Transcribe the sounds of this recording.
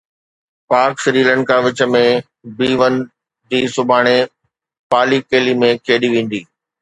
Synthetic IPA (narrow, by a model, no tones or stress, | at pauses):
paːɾksɾiːlə̃ɳkaʋɪt͡ɕə̆mẽ | biːʋən̆ | d͡ʑiːsʊbʱaːɽ̃e | paːlikeːlimẽkʰeːɗiʋẽːn̆d̪iː